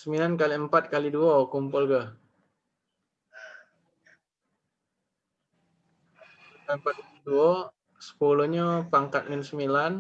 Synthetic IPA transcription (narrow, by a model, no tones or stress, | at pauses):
səmilank̬aliəmpat̪̚kaliduɔkumpʊlkah | ukampat̪̚kaliduɔ | sə̥poloɲəpaŋkat̪̚ŋɪnsəmilan